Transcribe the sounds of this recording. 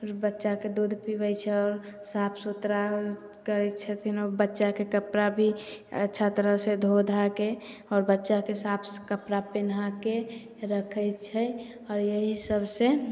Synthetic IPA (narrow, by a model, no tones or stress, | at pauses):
bətːʃaked̪od̪ʱpibət͡ʃʰɛɔːɾsapʰsot̪ɾa | kəɾɛt͡ʃʰət̪ʰinɔɾbətːʃakekəpɾabʱiə̰tːʃʰat̪əɾəɦsed̪ʱod̪ʱakeɔːɾbətːʃakesapʰskəpɾapenake | ɾəkʰəjt͡ʃʰɛ | ɔːɾjəɦisəbʱse